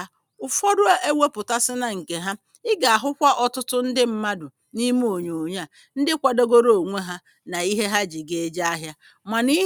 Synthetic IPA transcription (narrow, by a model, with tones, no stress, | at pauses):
ʊ˨fɔ˦dʊ˦a˦ʔe˦we˦pʊ˨ta˦sɪ˦na˨ŋ̩˨ke˨ɦa˦ | ɪ˦ɡa˨a˨ɦʊ˦kʷa˦ʔɔ˨tʊ˦tʊ˦n̩˦dɪ˦m̩˦ma˦dʊ˨ | ni˦m˦o˨ɲo˨ɲa˨ | n̩˦dɪ˦kʷa˨do˦ɡo˦ɾo˨ŋʷe˦ɦa˦ | na˨i˦ɦe˦ɦa˦d͡ʒi˨ɡe˨e˦d͡ʒa˦a˦ɦja˦ | ma˨ni˦